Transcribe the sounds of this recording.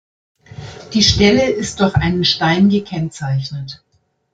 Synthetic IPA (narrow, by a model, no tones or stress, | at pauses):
d̥iːʃtɛləɪst̚d̥ʊɐçʔaɪnənʃtaɪnɡəkʰɛnt͡saɪçnət